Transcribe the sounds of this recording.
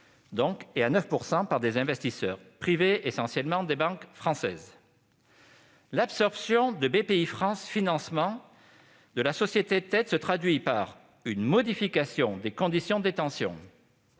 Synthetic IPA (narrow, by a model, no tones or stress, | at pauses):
d̪ɔ̃keanœfpuʁsɑ̃paʁd̪ezɛ̃vɛst̪isœʁpχiveesɑ̃sjɛlmɑ̃d̪ebɑ̃kfχɑ̃sɛ̰z | lapsɔʁpsjɔ̃d̪əbepeifχɑ̃sfinɑ̃smɑ̃ | d̪əlasɔsjet̪et̪ɛt̪sət̪χad̪ɥipaʁ | ynmɔd̪ifikasjɔ̃d̪ekɔ̃d̪isjɔ̃d̪et̪ɑ̃sjɔ̰̃